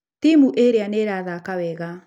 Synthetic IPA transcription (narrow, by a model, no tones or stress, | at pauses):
t̪imuʔeɾeaneɾaðakawɛɣa